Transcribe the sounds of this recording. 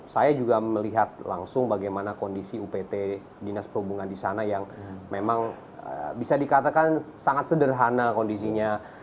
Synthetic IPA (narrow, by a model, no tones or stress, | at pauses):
sajad͡ʒuɡaməliɦat̪̚la̰ŋsʊŋbaɡajmanakondisiupet̪e | dinaspərhubuŋandisanajaŋmemaŋ | ə̰bisadikat̪akansaŋat̪̚sədərɦanakondis̬iɲa